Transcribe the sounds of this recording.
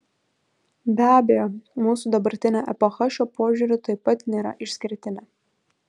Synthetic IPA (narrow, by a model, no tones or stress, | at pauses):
bʲæːbʲejoːmuːsud̪ɐbɐɾʲt̪ʲɪnʲoːʔɛpɔxɑʃʲoːpoːʒʲʊɾʲʊt̪ɐɪpɐt̪nʲeːɾɐ̰ʔɪʃʲsʲkʲɪɾʲt̪ʲɪnʲɛ